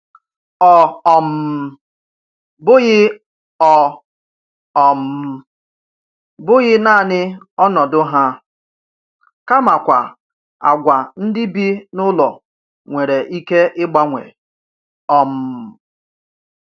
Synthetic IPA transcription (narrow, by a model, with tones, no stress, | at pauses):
ɔ˨ɔ˨m̩˨ | bʊ˦ɣɪ˦ | ɔ˨ | ɔ˨m̩˨˦ | bʊ˦ɣɪ˦na˦˨nɪ˦ | ɔ˦nɔ˨dʊ˦ɦa˦ | ka˦ma˨kʷa̰˨ | a̰˨ɡʷa˨n̩˦dɪ˦bi˦nʊ˦lɔ˨ | ŋʷe˨ɾe˨ʔi˦ke˦ʔɪ˦ɡ͡ba˦ŋʷḛ˨ | ɔ˨m̩˨